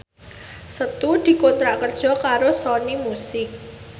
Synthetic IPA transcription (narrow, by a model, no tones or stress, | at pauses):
sət̪ud̪̥i̤kont̪ɾakərd̥ʒ̥ɔ̤kaɾosɔnimusɪk̚